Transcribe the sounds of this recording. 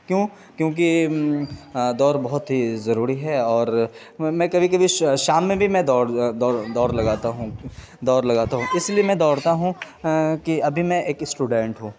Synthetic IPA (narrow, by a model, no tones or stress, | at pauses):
kjõː | kjõːk̬i | d̪ɔːɾbɔɦʊt̪ɦizɐɾuːɾiɦɛɔːɾ | mɛ̃kɐbʱikɐbʱiʃaːmːẽbʱimɛ̃d̪ɔːɾd̪ɔːɾd̪ɔːɾlɐɡaːt̪aɦũ | d̪ɔːɾlɐɡaːt̪aɦũʔɪsliemɛ̃d̪ɔːɽt̪aɦũ | kiɐbʱimɛ̃ʔeːksʈuːɖɛ̃ːɳʈɦũː